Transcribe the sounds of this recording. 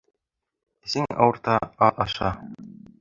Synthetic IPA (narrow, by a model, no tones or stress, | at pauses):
siŋɑ̰wɤ̆ɾt̪ɑɑɑʃɑ